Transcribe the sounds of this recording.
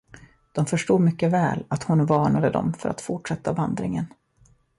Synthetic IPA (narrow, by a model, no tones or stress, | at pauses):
d̪̥ɔmfœʂʈuːd̪mʏkːəvɛ̰ːlat̪hʊnvɑːɳad̪əd̪ɔ̰mfœɾa̰t̪fʊʈʂɛt̪ːavand̪ɾɪŋən